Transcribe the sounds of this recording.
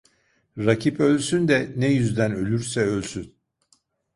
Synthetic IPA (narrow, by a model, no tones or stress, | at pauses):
ɾacʰipø̞lʲsynd̪ɛnɛjyzd̪ænø̞lʲyɾsɛølʲsyn